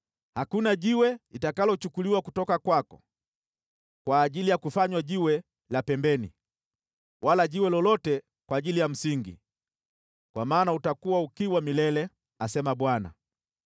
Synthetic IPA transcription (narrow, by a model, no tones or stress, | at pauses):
hakunaʄiwɛlitakalɔt͡ʃukuliwakutɔkakwakɔ | kwaːʄilijakufaɲwaʄiwɛ | lapɛmbɛnḭ | wʔalaʄiwɛlɔlɔtɛ | kwaːʄilijam̩siŋɡḭ | kwamaːnautakuwaukiwamilɛlɛ | asɛmaɓwana̰